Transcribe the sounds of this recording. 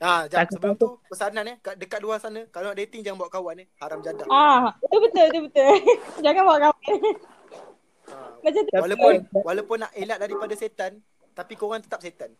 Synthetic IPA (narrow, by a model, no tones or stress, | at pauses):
ad͡ʒaasəbəat̪upəsananəkadəkat̪̚duasanãkalanaʔdet̪ɪŋd͡ʒaŋanbawaʔkawanihaɾamd͡ʒadaat̪ubət̪əlt̪̬ubət̪ʊld͡ʒaŋanbawaʔkawan | abat͡ʃat̪walaʊnwalapʊnːaʔelat̪̚daɾipadaset̪an | t̪apikoɣaŋt̪ə̥t̪ap̚set̪an